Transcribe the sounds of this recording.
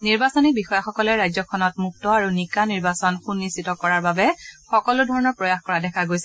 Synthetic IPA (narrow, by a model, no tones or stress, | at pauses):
niɹbasɔnik̚bixɔjaxɔkɔlɛɹajzɔkʰɔnɔtmuk̚tɔaɹunikaniɹbasɔnxunːisitɔkɔɹaɹbabɛxɔkɔlʊdʱɔɹɔnɔɹpɹɔjaxkɔɹadɛkʰaɡojsɛ̥